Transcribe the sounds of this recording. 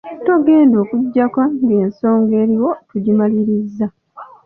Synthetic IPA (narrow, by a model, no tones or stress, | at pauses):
toɡe̞ːndo̞ːkuɟːakaŋɡeːnso̞ːŋɡe̞ːɾiwo̞tuɟimaliɾizːa